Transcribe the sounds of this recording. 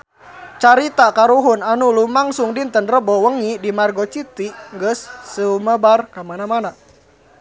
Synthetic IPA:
t͡ʃaɾit̪akaɾuɦunanulumaŋsuŋdint̪ənrəbɔwəŋidimarɡɔt͡ʃit̪iŋɡəsːəuməbarkamanamana

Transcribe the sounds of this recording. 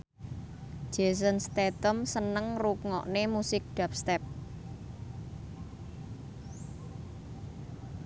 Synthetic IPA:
ʒ̥e̤s̬ənst̪ɛt̪əmsənəŋrukŋɔ̰ʔnemusɪk̚ɖ̪̥a̤p̚st̪ɛp̚

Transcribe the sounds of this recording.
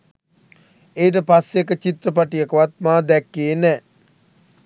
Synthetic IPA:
eːʈ̬əpasjekət͡ʃit̪ɾəpaʈijəkəʋat̪̚maːd̪ɛkːeːnɛ

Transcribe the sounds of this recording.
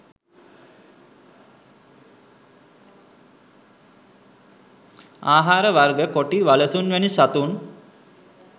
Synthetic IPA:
aːɦaːɾəʋarɡəkoʈiʋaləsunʋænisat̪un

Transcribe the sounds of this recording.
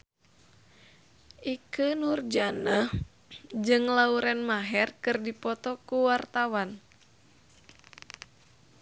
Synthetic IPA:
ʔikənurd͡ʒanah | d͡ʒɨŋlauɾɛnmaɦɛrkɨrdipɔt̪ɔkuwart̪awan

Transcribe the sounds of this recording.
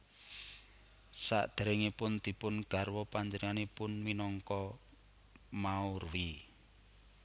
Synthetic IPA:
sa̰ʔd̪̥ə̤ɾeŋipʊnd̪̥i̤pʊnɡ̥a̤rwɔpaɲd͡ʒənəŋanipʊnwinɔŋkɔ | maʊrwi

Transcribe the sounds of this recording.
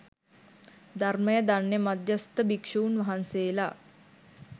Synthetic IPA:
d̪arməjəd̪anːemad̪jəst̪əbikʂuunʋɐɦanseːla

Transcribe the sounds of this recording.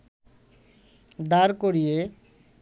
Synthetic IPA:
d̪aɾkoɽije

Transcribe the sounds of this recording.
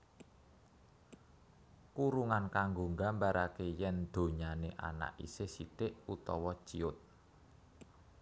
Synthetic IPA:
kuɾuŋankaŋɡo̤ŋɡambaɾakejɛnd̪̥o̤ɲaneʔa̰na̰ʔḭsesit̪eʔut̪ɔwɔ̥t͡ʃḭʊt̪̚

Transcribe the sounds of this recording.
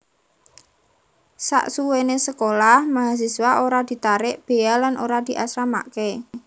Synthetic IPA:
sa̰ʔsuwenesəkolahmaɦas̬iswaoɾad̪̥i̤t̪aɾɪʔb̥e̤alanʔoɾad̪̥i̤ʔasɾama̰ke

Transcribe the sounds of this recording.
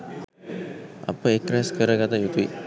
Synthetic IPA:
a̰pəekːɾaskəɾəɡat̪ajut̪uḭ

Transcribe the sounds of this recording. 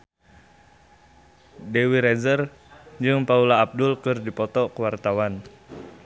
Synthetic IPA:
dewiɾɛzər | d͡ʒɨŋpaulaːb̚dʊlkɨrdipɔt̪ɔkəwart̪awan

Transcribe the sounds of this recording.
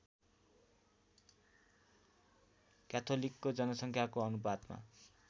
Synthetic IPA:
kat̪ʰolikːod͡zʌnʌsʌŋkʰjakoʌnubad̪ma̰

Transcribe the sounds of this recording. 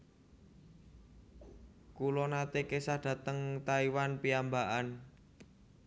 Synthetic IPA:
kulɔnat̪ekesad̪̥ä̤t̪əŋt̪aiwanpiambaʔan

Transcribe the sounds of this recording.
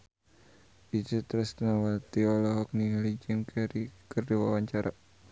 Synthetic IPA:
id͡ʒət̪ɾɛst̪nawat̪iɔlɔɦɔk̚niŋalid͡ʒɛmkʰɛɾikərdiwawaɲt͡ʃaɾʔa

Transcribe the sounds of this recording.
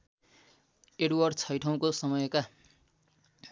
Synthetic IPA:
eɽwʌrɖt͡sʰʌjʈʰʌw̃kosʌmʌjka

